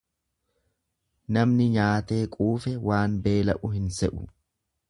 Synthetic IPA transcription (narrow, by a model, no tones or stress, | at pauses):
nɐmnɪɲaːt̪e̞ːkʼuːfɛwaːnbe̞ːlɐʔʊhɪnsɛʔʊ̥